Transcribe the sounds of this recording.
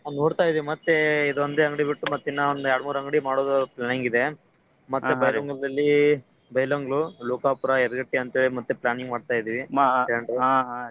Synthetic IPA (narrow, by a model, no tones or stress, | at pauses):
anoːɽt̪aːjd̪iʋimɐt̪ːeid̪ond̪eɐŋɡɽibiʈːumɐt̪ːinːɐond̪uɛaːɽmuːɾɐŋɡɽimaːɽoːd̪ɐplaːniŋɡid̪e̞ | mɐt̪ːubɐjoŋɡɭd̪ɐlːi | bɐjlɐŋɡɭuluːkaːpuɾɐɛɾɡɐʈːiɐnt̪eːɭimɐt̪ːuplaːniŋɡmaːɽt̪aːjid̪iːʋiɐɳɖɾua